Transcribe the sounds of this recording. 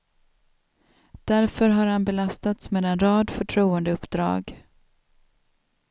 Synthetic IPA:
d̪̥æɾfœɾɦaɾhanbɛlast̪at̪smeːd̪ɛnɾɑːd̪fœʈʰɾuːənd̪əɵpːd̪ɾɑ̰ːɡ

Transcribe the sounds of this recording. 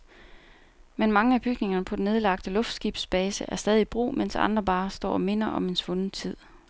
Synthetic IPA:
menmɑ̈ŋəæb̥yɡ̥ne̝ŋɐnəpʰɒ̽dene̝ð̞ˠlɑ̈ɡ̥̚d̥əlɔ̽fd̥sɡ̥ib̥sb̥ɛːsəʔæɐsd̥ɛːð̞ˠib̥ʁṵːmen̰sɑ̈nd̥ʁɐb̥ɑ̈ːsd̥ɒ̰ːɒ̽me̝nɐʔɒ̽me̝nsʋɔ̽n̩t͡sʰið̰ˠ

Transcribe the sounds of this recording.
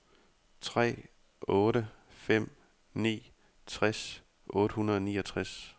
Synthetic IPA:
t͡sʰʁɛ̰ː | ɔːɾəfem̰ | nḭː | t͡sʰʁas | ʔɔ̽ːɾ̥əɦhunɐðˠɒ̽nḭːɒ̽t͡sʰʁas

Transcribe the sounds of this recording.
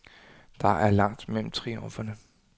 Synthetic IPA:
d̥ɑ̈ʔæɐlɑ̈ŋ̰d̥mel̰m̩t͡sʰʁiomfɐnə

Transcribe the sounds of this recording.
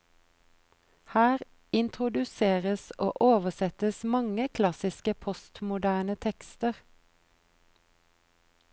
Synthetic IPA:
hæːʁ | ɪnt̪ʰʁʊd̪ʉseːʁəso̰ːʔoːʋəsɛt̪əsmɑŋəkʰlɑsɪskəpʰɔst̪mʊd̪æːnət̪ʰɛkst̪əʁ

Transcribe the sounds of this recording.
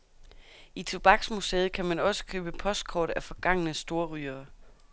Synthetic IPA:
it͡sʰo̝b̥ɑ̈ɡ̥smuseːð̩ˠkʰæmænɒ̽sə̥kʰø̰ːb̥əpʰɒ̽sd̥̚kʰɒːd̥æfɒ̽ɡ̥ɑ̈ŋ̰ənəsd̥o̝ːɐʁyːɐː

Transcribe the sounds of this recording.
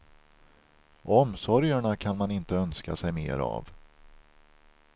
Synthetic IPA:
ɔmsɔɾjəɳakʰanmanɪnt̪əœnska̰sɛjmḛːɾa̰v

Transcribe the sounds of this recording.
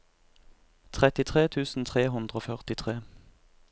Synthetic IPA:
t̪ʰʁɛt̪ɪt̪ʰʁeːt̪ʰʉːsn̩t̪ʰʁeːɦʉnd̪ʁoːfœʁt̪ɪt̪ʰʁeː

